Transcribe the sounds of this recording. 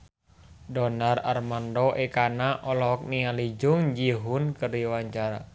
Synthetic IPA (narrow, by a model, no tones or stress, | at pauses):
dɔnara̰rmandɔʔekanaʔɔlɔɦɔk̚nialid͡ʒʊŋd͡ʒiɦʊnkəriwaɲt͡ʃaɾa